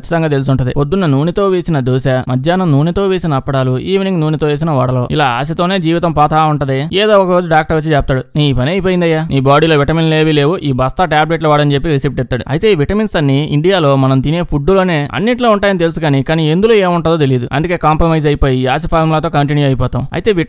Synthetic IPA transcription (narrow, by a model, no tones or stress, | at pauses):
ɐt͡ʃːi̥t̪ɐŋɡaːt̪elus̬uɳʈund̪ipod̪ːunːɐnuːnit̪o̞ːʋeːsinɐd̪uːʃamɐd͡ʒ̪ʱjaːnɐnuːnit̪o̞ːʋeːsinɐɐpːɐɽaːluḭːʋiniŋnuːnit̪oːʋeːs̬inɐʋɐ̰ɽɐlo̞̰ːḭlaːa̰ːs̬ɐt̪o̞ːne̞ːd͡ʒiːʋit̪ɐmpaːt̪ʰaːuɳʈɐd̪ɐjaeːd̪oːɔkɐɾo̞ːd͡ʒuɖaːk̚ʈɐɾʋɐt͡ʃːid͡ʒɛːpɐt̪aːɽuniːipɐniɐjpoːjind̪ɐjːaːniːbaːɽiːlo̞ːʋiʈɐminle̞ːʋile̞ːʋuʔiːbɐst̪aʈaːbɾeʈluʋaːɽɐnt͡ʃepːiɾisip̚ʈɛt̪ːaːɽṵɐ̰jt̪eːiːʋiʈɐminsɐnːiḭɳɖijaːlo̞ːmɐnɐmt̪̬ine̞ːpʰuɖːulo̞ːne̞ːɐ̰nːiʈloːuɳʈaːjɐnit̪e̞lusukaːnikaːniend̪uloːeːmɐɳʈaːd̪oːt̪̬elijɐd̪uɐ̰nd̪ukeːkaːmpɾɐmɐjd͡ʒɐjpoːjiaːs̬ipʰaːɾmlaːt̪o̞ːkɐɳʈinjuɐjipɔːt̪aːmɐ̰jit̪e̞ːʋi